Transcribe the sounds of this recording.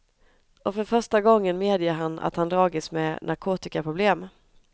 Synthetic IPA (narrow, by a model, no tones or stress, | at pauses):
ʔɔfœɾfœʂʈaɡɔŋːənmeːd̪jəɦanːa̰t̪hand̪ɾɑːɡɪsmɛ̰nʔaɾkʰoːt̪ɪkapʰɾʊbleːm